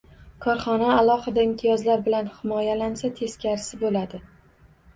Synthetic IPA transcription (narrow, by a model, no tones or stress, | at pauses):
kʰɒɾχɒnaːlˠɒhɨd̪aɪmt̪ʰijɒzlaɾbɪlanhɪmɒjalansat̪ʰe̞skʲaɾɪsɪbolad̪ɪ